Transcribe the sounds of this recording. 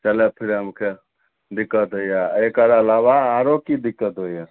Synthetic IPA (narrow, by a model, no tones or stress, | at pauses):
t͡ʃəlepʰiɾɦəmkʰe | d̪ikːət̪ɦojaekəɾəlaʋaːɾokid̪ikːət̪ɦoja